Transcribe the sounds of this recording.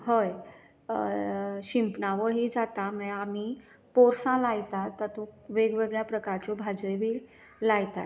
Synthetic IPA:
ɦəj | ɕimpnaʋəɾɦid͡zat̪aməami | poɾsãlajt̪at̪ːət̪ukʋeɡʋeɡɭjapɾəkaɾt͡ɕobʱad͡zəjʋiː | lajt̪at̪

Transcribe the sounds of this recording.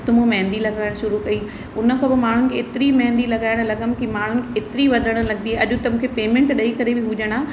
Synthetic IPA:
t̪ʊmumɐɦɪ̃nd̪ilɐɡaːɪɽ̃ʃʊɾukɐi | ʊnəkʰobɐmaːɳ̤ʊnɪ̆kʰeːt̪ɪɾimɐ̃ɦɛ̃nd̪ilɐɡaːɪɽ̃lɐɡəmkimaːɳ̤ʊnɪ̆kʰeːt̪ɪɾiʋɐd̪ʱəɽ̃lɐɡnd̪iːʔɐʄt̪ɐmũːkʰepeːmẽɳʈɗɐikɐɾebɪɦʊd͡ʑəɽ̃aː

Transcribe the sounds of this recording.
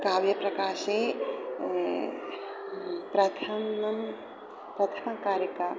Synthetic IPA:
kaːʋjɐpɾɐkaːʃeː | pɾɐt̪ʰɐmɐm | pɾɐt̪ʰɐnɐkaːɾɐka

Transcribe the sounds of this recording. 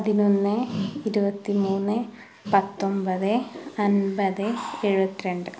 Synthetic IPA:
ɐðinonːɨiɾubɐt̪ːimuːnːɨ | pɐt̪ːo̞mbɐðɨɐnbɐðɨeɻubɐt̪ːiɾeɳɖɨ

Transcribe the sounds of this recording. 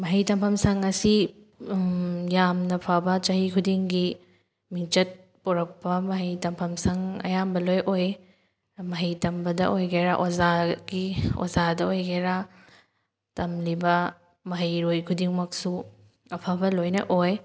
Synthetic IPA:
mɐɦɐjtɐmpʰɐmsɐŋɐsi | jamnɐpʰabɐt͡ʃɐɦikʰudiŋɡi | miŋt͡ʃɐt̚ | pɔɾɐk̚pɐmɐɦɐjtɐmpʰɐmsɐŋɐ̰jambɐlojʔoj | mɐɦɐjtɐmbɐdɐ̰ʔojɡeɾaʔozaɡio̰zadɐojɡeɾa | tɐmlibɐ | mɐɦɐjɾojkʰudiŋmɐk̚su | ɐpʰabɐlojnɐ̰ʔoj

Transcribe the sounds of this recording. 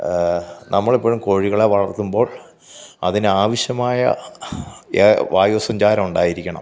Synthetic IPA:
nɐmːɐɭipːoːɻumko̞ɻiɣɐɭeʋɐɭɐrt̪ːumbo̞ːɭ | ɐðinɨaːʋiɕjɐmaːjɐ̰ | ʋaːjuʋɐsɐɲd͡ʑaːɾɐmuɳɖaːjiɾikʲːɐɳɐ̰m

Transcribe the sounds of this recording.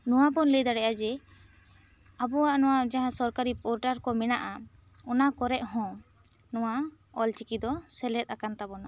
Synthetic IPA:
nɔwapɔnləjd̪aɽɛʔad͡ʒɛ | abɔaʔnɔwad͡ʒaɦãsɔɾkaɾipɔɾʈaɾkɔmɛnaʔa | ɔnakɔɾɛʔ̚ɦɔ̃ | nɔwa | ɔlt͡ʃikid̪ɔsɛlɛt̪̚ˀakant̪abɔna

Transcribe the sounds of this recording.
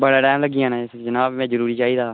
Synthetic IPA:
bəɽaːʈɛːmləɡɪjãːnãːɪsd͡ʒənaːbmɛ̃ːd͡ʒəɾuːɾiːt͡ʃaːiːd̪aː

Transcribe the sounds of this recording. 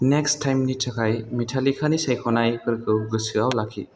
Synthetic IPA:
nekstʰːajmnitʰɐkʰajmitʰalikʰanisajkʰɔnajkʰɯɾkʰɯwɡɯsɯawlakʰːḭ

